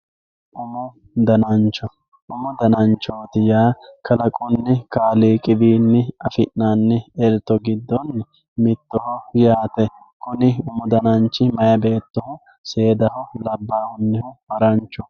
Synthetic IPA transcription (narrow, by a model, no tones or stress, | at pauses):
ʔʊmʊ | d̪ɐnɐnt͡ʃːɔ | ʔʊmʊd̪ɐnɐnt͡ʃːoːt̪ɪjaːkʰɐlɐkʼʊnːɛkaːliːkʼɪbiːnːɛɐfɪʔnaːnːɛɛɾt̪ːɔɡɪd̪ːɔn | mɪt̪ːɔhɔjaːt̪ɛ | kʊnɪʊmʊd̪ɐnɐnt͡ʃːɪmɐjɐbe̞ːt̪ːɔhʊ | se̞ːd̪ɐhɔlɐbːaːhʊnːɪhʊbɐɾɐnt͡ʃːɔ